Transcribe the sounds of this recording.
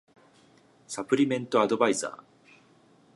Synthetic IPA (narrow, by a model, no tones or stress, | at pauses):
sapɯ̟ɾʲimẽ̞nt̪o̞ad̪o̞baiza̰ː